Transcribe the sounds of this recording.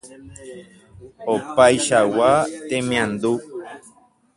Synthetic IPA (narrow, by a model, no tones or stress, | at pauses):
opajʃawat̪emĩãnd̪u